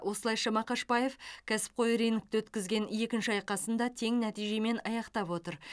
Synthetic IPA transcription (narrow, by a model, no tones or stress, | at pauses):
wʔo̞səlˠɑjʃɑmɑqʰɑʃpɑje̞fkʲʰæsɪ̥p̚qʰo̞jɾenɪk̚t̪ɪwɵt̪kʲɪzɡʲe̞ne̞kʲɪnʃɪɑjqɑsənd̪ɑt̪ʰe̞ŋnæt̪ijʒe̞me̞nɑjɑqt̪ɑpwo̞t̪əɾ